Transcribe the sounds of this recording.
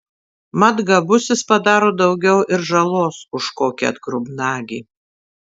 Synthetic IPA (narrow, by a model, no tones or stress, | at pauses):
mɐd̪ɡɐbʊsʲɪspɐd̪ɑːɾoːd̪ɒʊɡʲɛʊʔɪɾʒɐlˠoːsʊʃkoːkʲiɐ̰t̪ɡɾʊbnɑːɡʲiː